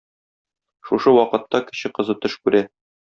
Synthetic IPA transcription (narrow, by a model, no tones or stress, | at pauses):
ʃuʃɤwɒqɤ̆t̪ːɑkɘ̆ɕɘqɤ̆zɤt̪ɤʃkʉɾæ